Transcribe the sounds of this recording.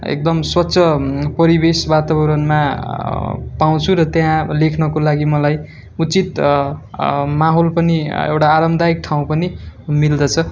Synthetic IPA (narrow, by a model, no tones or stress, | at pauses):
ḛk̚d̪ʌmswʌtːsʰʌpʌɾibesbat̪aβʌɾʌnma | paw̃t͡sʰuɾʌt̪jãlekʰnʌkolaɡimʌlaj | ut͡sit̪ | maɦolpʌniḛwʈaːɾʌmd̪aik̚ʈʰaw̃pʌnimild̪ʌt͡sʰʌ